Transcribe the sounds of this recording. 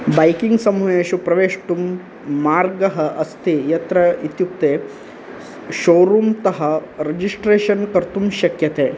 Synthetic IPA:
bɐjkiŋɡsɐmʋeːʃupɾɐʋeːʂʈumː | aːɾɡɐɦɐʔɐst̪ʰijɐt̪ɾɐit̪jup̚t̪eː | ʃoːɾuːmt̪ɐɦɐɾed͡ʒisʈɾeːʃɐnkɐɾt̪umʃɐkjɐt̪eː

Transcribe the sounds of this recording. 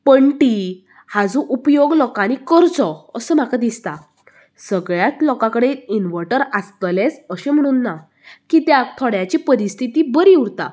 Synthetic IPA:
pəɳʈi | had͡zũʔupjoɡlɔkãnikəɾt͡sɔəsəːm̤akad̪ist̪a | səɡɭjat̪lɔkãkəɽeinʋəɾʈəɾast̪lesəɕem̤əɽ̃uːnːa | kit̪jakt̪ʰɔɽjat͡ɕipəɾist̪ʰit̪ibəɾiuɽt̪a̰

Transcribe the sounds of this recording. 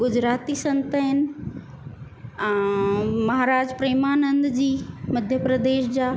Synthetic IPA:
ɡʊd͡ʑɾaːt̪isɐ̃nt̪əɦɪnɪ̆ | ɛ̃ːmɐɦaːɾaːd͡ʑpɾeːmaːnə̃nd̪d͡ʑiːmɐd̪ʱjəpɾɐd̪eːʃd͡ʑaː

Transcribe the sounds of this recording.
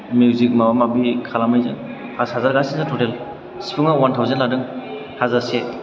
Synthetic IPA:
muwzik̚mawamabikʰalamajzɯŋ | pʰashazaɾɡasinzatʰotel | si̥pʰɯŋawantʰawzenladɯŋ | hazaɾse

